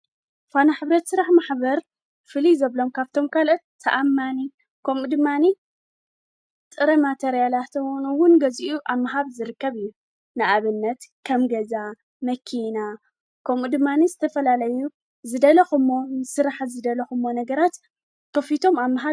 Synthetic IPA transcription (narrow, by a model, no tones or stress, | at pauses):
fanaħɨβɾɐt̪sɨɾaħmaħbɐɾ | fɨlizɐβlomkʰaβt̪ʰo̞mkʰalot̪ʰːɐʔamːani | kʰomud̪ɨmːani | t̪ʼɨɾɐmat̪ʰeɾijalat̪nɨwʊnɡɐziʔuʔaβmːaɦaβzɨɾɨkːɐβɨjːu | nɨʔaβɨnːɐt̪kʰɐmɡɐza | mɐkʰina | kʰɐmud̪ɨmːanizɨt̪ʰɐfɐlalɐju | zɨd̪ɐlɐxɨmːosɨɾaħzɨd̪ɐlɐxɨmːonɐɡɐɾat̪ | kʰɐfit̪ʰo̞mamaɦa